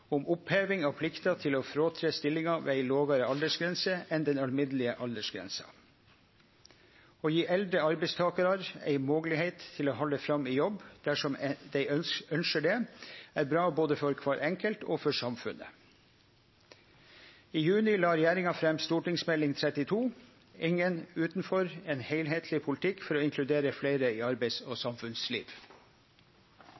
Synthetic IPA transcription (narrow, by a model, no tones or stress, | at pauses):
ʊmʊpheːʋɪŋɑpʰlɪkt̪ɑt̪ʰɪloːfɾoːt̪ʰɾest̪ɪlːɪŋɑʋḛːæɪloːɡɑɾəɑld̪əʂɡɾɛnsəɛnd̪ɛnɑlmɪd̪l̩ɪəʔɑld̪əʂɡɾɛ̰nsɑ̰ | oːjiːʔɛld̪ɾəɑɾbɛɪst̪ʰɑːkɑɾɑɾæ̰ɪmoːɡlɪheɪt̪ʰːɪloːɦɔləfɾɑmiːjɔbːd̪̥æʂɔmd̪æɪœœnʃəɖɛæːɾbɾɑːboːd̪əfɔɾkʰʋɑːɾʔɛŋkəlt̪oːfɔʂɑmfʉ̰nə̰ | iːjʉːnɪlɑːɾɛjæːɾɪŋɑfɾɛmst̪uːʈɪŋsmɛlɪŋt̪ʰɾɛt̪ɪt̪ʰuː | ɪŋənʉːt̪nfɔɾeːnheɪlɦeːt̪ʰlɪpʰʊlɪt̪ʰɪkːfɔɾoːɪŋkʰlʉd̪eːɾəfleɪɾəiːɑɾbɛɪsoːsɑmfʉnslḭːʋ